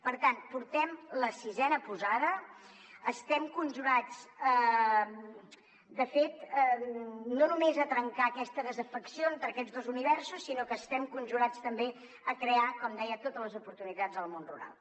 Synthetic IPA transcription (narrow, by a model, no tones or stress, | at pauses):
pəɾt̪anpuɾt̪ɛmləsizɛnəpuzaðə | əst̪ɛmkunʲʒuɾat͡sə | d̪əfet̪ənonumezət̪ɾəŋkaːkɛst̪əðəzəfəksiont̪əɾəkɛd͡zzðozuniβɛrsusːinokəːst̪ɛmkunʒuɾat͡st̪əmbe | əkɾeakɔmd̪ɛjət̪ot̪ələzupuɾt̪unit̪ad͡zðəlˠmonrṵɾa̰lˠ